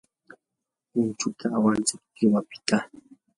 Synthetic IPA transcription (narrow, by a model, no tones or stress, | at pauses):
ʊnt͡ʃʊt̪ʰaːwant͡sɪk̚kɪwapɪ̥t̪a